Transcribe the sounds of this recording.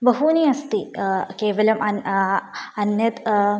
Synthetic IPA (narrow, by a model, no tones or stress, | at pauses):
bɐɦuniɐst̪ikeːʋɐlɐmʔɐn | ɐnjɐt̪